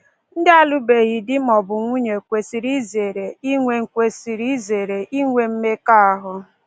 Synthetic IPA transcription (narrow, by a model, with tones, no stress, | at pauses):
n̩˦dɪ˦a˦lu˦be˨ɣi˨dɪ˦mɔ˨bʊ˨ŋʷu˦ɲe˨kʷe˨si˨ɾi˦ze˨ɾe˨i˦ŋʷe˦ŋ̩˨kʷe˨si˨ɾi˦ze˨ɾe˨ʔi˦ŋʷe˦m̩˦me˦ka˦a˦ɦʊ˦